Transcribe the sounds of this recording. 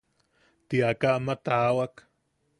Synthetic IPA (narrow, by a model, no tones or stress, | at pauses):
t̪iakaʔmat̪aːwak